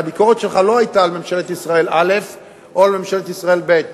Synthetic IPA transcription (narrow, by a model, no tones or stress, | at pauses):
abiko̞ʁet̪ʃelχalo̞ajtaːlmemʃelet̪isʁaelale̞f | ʔoalme̞mʃelet̪isʁae̞lbet̪̚